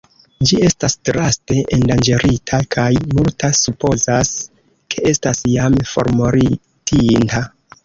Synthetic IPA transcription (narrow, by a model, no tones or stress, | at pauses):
d͡ʒie̞stastɾaste̞ʔendand͡ʒe̞ɾʔitʰakʰajmultʰasupo̞zas | kʰe̞ʔe̞stasjamfo̞̰ɾmoɾi | tʰinta